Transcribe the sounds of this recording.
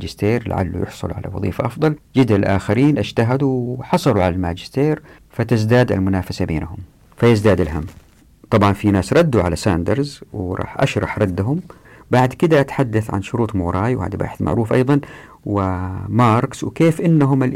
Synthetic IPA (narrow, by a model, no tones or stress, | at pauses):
d͡ʒɪst̪eːɾla̰ʕa̰lːṵjɪ̰ħsˤʊ̰lʕa̰la̰wɑ̰ðˤiːfaʔɑfd̪ˤɑld͡ʒɪd̪lʔaːxaɾiːnʔad͡ʒt̪aɦad̪uwħɑsˤɑluʕalalmaːd͡ʒɪ̥st̪eːɾ | fat̪ɪzd̪aːd̪a̰lmʊnaːfasabeːnahʊm | fajɪzd̪aːd̪ɪlɦamː | t̪ˤɑbʕɑnfinaːsɾˤɑd̪ːuʕalasaːnd̪ɑɾˤzwɾˤʔɑ̰ːħʔa̰ʃɾˤɑħɾˤɑd̪ːaɦʊm | baʕd̪kɪd̪aʔat̪ħad̪ːaθʕa̰nʃʊɾuːt̪ˤmuːɾˤɑːjwha̰ːd̪ba̰ːħɪθmʔa̰ʕɾuːfʔɑjðˤɑn | wɪmɑːɾˤkswkeːfʔɪnːaɦʊmɪl